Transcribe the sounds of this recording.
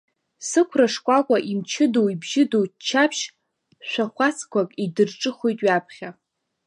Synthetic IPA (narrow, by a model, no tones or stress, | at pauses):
sɨkʷʰraʂkʷʼakʷʼaʔimt͡ʃʰɪdowibʒɪdowt͡ʃʰapʰʃ | ʃʷᶣaχʷasʰʼkʷʰakʼidɨrʈ͡ʂʼɨχojtʼɥapʰχʲa